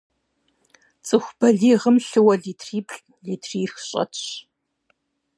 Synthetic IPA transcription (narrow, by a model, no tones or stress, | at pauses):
t͡sʼɨxʷb̥ɐɮiːʁəmɬɨwɐɮiːtʰriːpʰɬʼ | ɮiːtʰriːxɕʼɐ̰tʰɕ